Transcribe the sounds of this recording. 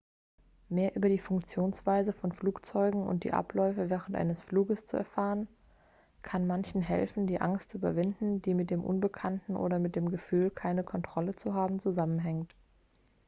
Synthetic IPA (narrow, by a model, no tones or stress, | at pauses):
meːɐʔyːbɐdiːfʊŋk̚t͡sjoːnsv̥aɪzəfɔnfluːkt͡sɔʏɡŋ̩ʊ̰nt̚d̥ḭːʔa̰plɔʏfəvɛːʁ̞əntʔa̰ɪnəsfluːɡəst͡suɛɐfaːʁən | kʰanmançn̩ɦɛ̰lfn̩diːʔaŋstt͡suʔyːbɐvɪndn̩diːmɪt̚d̥eːmʔʊ̰nbəkʰantn̩ʔo̰ːɾɐmɪt̚d̥eːmɡəfyːlkʰaɪnəkʰɔntʁ̥ɔlət͡suɦaːbm̩t͡suzamənɦɛŋt